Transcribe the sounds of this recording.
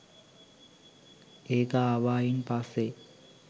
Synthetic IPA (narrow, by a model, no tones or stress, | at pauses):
eːkaːʋaːjinpasːe